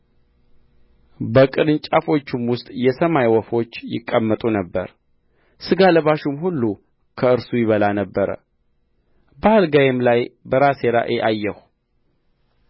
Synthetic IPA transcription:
bəkʼɨlɨnt͡ʃʼafo̞t͡ʃːumwʊst̪ʼjɛsəmajwɔfo̞t͡ʃːjɪ̰kʼːəmːət̪ʼunəbːə̰ɾ | sɨɡaləβaʃumhulːu | kʰəɨɾsujɪβəlanəbːəɾə̰ | baalɡajemlajbəɾase̞ɾa̰ʔeʔajːɛhu

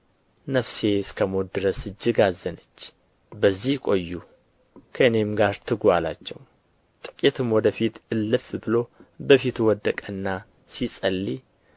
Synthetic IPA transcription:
nəfse̞skʰəmot̪̚d̪ɨɾəsɨd͡ʒːɪɡazənət͡ʃː | bəzːihkʼo̞jːu | kʰəɨne̞mɡaɾt̪ʰɨɡʷala̰t͡ʃːɛw | t̪ʼɨkʼet̪ʰɨmwɔd̪əfit̪ɨlːɨfbɨlo̞bəfit̪wɔd̪ːəkʼɨnːa | sisʼəlːi

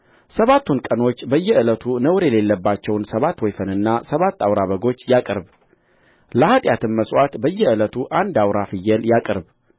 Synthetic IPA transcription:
səβat̪ːunkʼəno̞t͡ʃːbəjːɛɨlət̪ʰunəwɾjɛlelːəbːat͡ʃːɛwnsəβat̪ːwɛjfənɨnːasəβat̪ːawɾaβəɡo̞t͡ʃːjakʼɨɾb | ləhat̪ʼjat̪ʰɨnməsʼwʷat̪bəjːɛɨlət̪ʰuʔand̪awɾafɨjːɛljakʼɨɾb

